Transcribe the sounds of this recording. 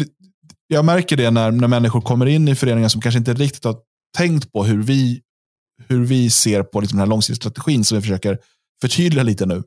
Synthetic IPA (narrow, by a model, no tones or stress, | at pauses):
d̪ɛ | jɑːɡmæɾkəɖɛnæɾnæɾmɛnːɪɧʊɾkʰɔmːəɾɪnːɪfœɾeːnɪŋənsɔmkʰanʂ̬əɪnt̪əɾɪkt̪ɪ̥t̪ha | ʈʰɛŋkt̪pʰɔɦɵɾvɪ | hɵɾvɪseːɾpʰɔlɪksɔmd̪ɛnælɔŋsɪt̪ːst̪ɾat̪ɛɧiːnsɔmvɪfœʂøːkəɾ | fœʈʰyːd̪lɪaliːt̪ənʉ̟ː